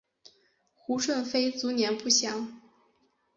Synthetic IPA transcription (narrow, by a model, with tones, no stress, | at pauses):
xu˧˥ʂwə˥˩nfe˥ɪt͡su˧˥njɛ˧˥npu˥˩ɕjɑ˧˥˦ŋ